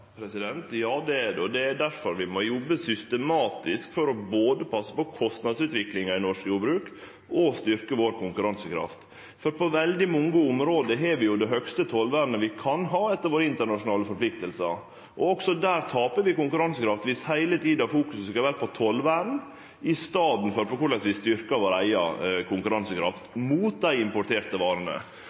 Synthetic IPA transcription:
pʰɾɛsɪd̪ɛnt̪jɑːd̪ɛɛɖ̪ɛɔd̪ɛd̪æɾfɔɾʋɪmɔjɔbːəsʏst̪əmɑːt̪ɪskfɔɾɔboːd̪əpʰɑsːə̥pɔkʰɔst̪nɑd̪sʉːt̪ʋɪklɪŋɑɪnɔʂkjuːbɾʉːk | ɔst̪ʏɾkəʋoːɾkʊŋkʉɾɑnsəkʰɾɑ̰ft̪ | fɔɾpʰɔʋɛld̪ɪmɔŋːəʊmɾoːd̪əɦeːɾʋɪjʊd̪ɛɦœkst̪ət̪ʰɔlʋæːɾnəʋɪkʰɑnɦɑːɛt̪ːəɾʋoːɾəɪnt̪əɳɑʂʊnɑːləfɔɾpʰlɪkt̪əlsə | ʔɔɔksɔd̪æːɾt̪ʰɑːpəɾʋɪkʊŋkʉɾɑnsəkʰɾɑft̪ʋɪshæɪlət̪ʰiːd̪ɑfuːkʉsskɑʋæːɾəpʰɔt̪ʰɔlʋæːɾn̩ | ɪst̪ɑːd̪n̩fɔɾpɔkʊɭɛsʋɪst̪ʏɾkɑʋoːɾæɪɑ̰kʰʊŋkʉɾɑnsəkʰɾɑ̰ft̪muːt̪̚d̪æɪɪmpʊʈʰeːɾt̪əʋɑːɾənə̰

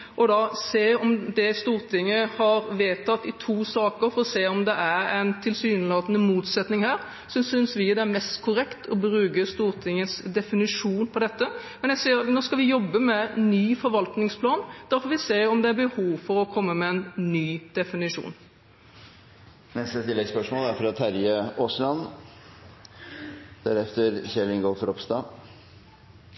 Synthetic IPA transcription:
ʔɔd̪ɑseːɔmd̪ɛst̪uːɾt̪ʰɪŋːəhɑɾʋeːt̪ʰːɑt̪ːɪt̪ʰuːsɑːkəɾfɔɾɔseːɔmd̪ɛʔæɾɛɪnt̪ʰɪlsyːnəlɑːt̪ənəmuːt̪sɛt̪nɪŋhæːɾ | sɔsʏnsʋɪd̪ɛæɾmɛst̪kʰʊɾɛkt̪ʰɔbɾʉːkəst̪uːɾt̪ʰɪŋəsd̪ɛfɪnɪʂuːnpʰɔd̪ɛt̪ːəmɛnjæsiːəɾnoːskɑʋɪjɔbːəmɛnːyːfɔɾʋɑlt̪nɪŋspʰlɑːnd̪̥æɾfɔɾʋɪseːɾɔmd̪ɛæɾbəhuːʋfɔɾɔkʰɔmːəmɛɛnnyːd̪̥ɛfɪnɪʂṵːn | nɛst̪ət̪ʰɪlːɛɡspœʂmoːlæɾfɾɑt̪ʰæɾjəoːslɑn | d̪̥æɾɛft̪əɾçɛlɪŋɡoːfɔɾɔpst̪ɑː

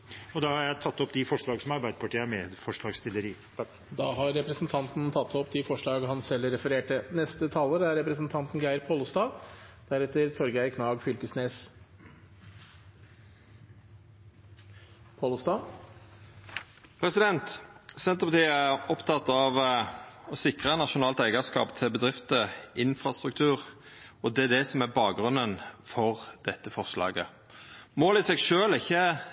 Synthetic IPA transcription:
ɔd̪ɑhɑɾjæɪt̪ʰɑt̪ːɔpd̪ɪfɔʂɭɑːɡsɔmɑɾbæɪd̪əpʰɑʈiːəæmɛd̪fɔʂɭɑːɡst̪ɪləɾiː | d̪ɑːɦɑɾːɛpɾəsnt̪ʰɑnt̪n̩t̪ʰɑt̪ʰːɔpd̪ɪfɔʂɭɑːɡɦɑnsɛlːɾɛfəɾeːʈənɛst̪ət̪ʰɑːloːɾəæɾːɛpɾəsnt̪ʰɑnt̪nɡæɪəɾpʰoːlst̪ɑːd̪̥æɾɛt̪ːəɾt̪ʰɔɾɡæɪkʰnɑːɡfʏlkəsneːs | pʰɑlst̪ɑ | pʰʁɛsɪd̪ɛnt̪sɛnt̪əʁpɑt̪ʰiːəæʁɔpt̪ʰɑt̪ːɑʋ | ɔsɪkʁənɑʃʊnɑːlt̪æɪɡəskɑ̰ːpt̪ʰɪlbəd̪ʁɪft̪əɪnfɾɑst̪ɾʉk̚t̪ʰʉːʁ | ɔd̪ɛæd̪ɛsɔmæbɑːk̚ʁʉnːənfɔʁd̪̥ɛt̪ːəfɔʁʂlɑ̰ːɡə | moːlɪsɛɡʃøːlɪçːə

